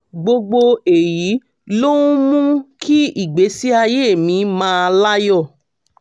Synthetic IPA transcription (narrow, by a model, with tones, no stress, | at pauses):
ɡ͡bo˧ɡ͡bo˧e˨ji˨˦ | lo˦ũ˦mũ˦kʰi˦i˦˨ɡ͡be˨˦si˦a˧je˦e˦˨mĩ˨˧mãː˧˦˧la˦jɔ˦˨